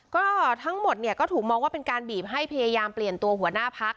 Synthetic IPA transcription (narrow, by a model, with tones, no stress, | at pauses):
kɔː˥˩t̪ʰa˦˥ŋmo˨˩t̪̚ni˥˩ɐkɔː˥˩t̪ʰuː˨˩k̚mɔː˧ŋwaː˥˩pe˧nkaː˧nbiː˨˩p̚ɦa˥˩jpʰa˧jaː˧jaː˧mpli˨˩ənt̪u˧ɐhu˩˦ɐnaː˥˩pʰa˦˥k̚